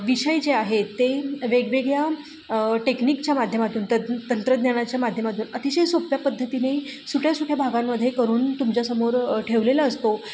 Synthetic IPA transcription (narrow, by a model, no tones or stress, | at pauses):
ʋiɕəjd͡ʑeaɦet̪ːeʋeɡʋeɡja | ʈeknikt͡ɕjamad̪ʱjəmat̪uːnt̪ət̪ənt̪ɾəd̪njaɽ̃at͡ɕjamad̪ʱjəmat̪uːnət̪iɕesopjapəd̪ʱːət̪inesuʈʰjasuʈʰjabʱaɡamːəd̪ʱːjekəɾuːnt̪umt͡ɕjasəmoɾʈʰeʋlelaəst̪o